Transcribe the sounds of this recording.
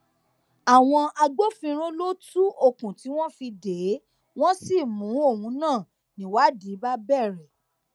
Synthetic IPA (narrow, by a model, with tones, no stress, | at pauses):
a˨w̃ɔ̃˧a˧ɡ͡bo˦fĩ˧ɾ̃õ˦lo˦tu˦o˦˨kũ˨ti˨˦w̃ɔ̃˦fi˧de˨˦ | w̃ɔ̃˦si˦˨mũ˨˦o˦˨wũ˨˧˦nãː˦˨ | nĩ˨˦wa˦di˨˦ba˦bɛ˦˨ɾɛ˨